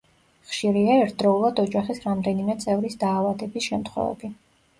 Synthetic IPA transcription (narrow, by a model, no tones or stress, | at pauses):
χʃiɾiaɛɾt̪ʰd̪ɾɔulˠad̪ɔd͡ʒaχisɾamd̪ɛnimɛt̪sʼɛvɾisd̪aːvad̪ɛbisʃɛmt̪ʰχwɛ̰vɛ̰bi